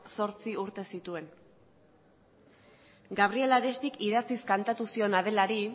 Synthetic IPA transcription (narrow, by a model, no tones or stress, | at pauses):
so̞ɾt͡siuɾt̪e̞sit̪ue̞n | ɡaβ̞ɾie̞laɾe̞st̪ikiðat͡siskant̪at̪usio̞nað̞e̞laɾi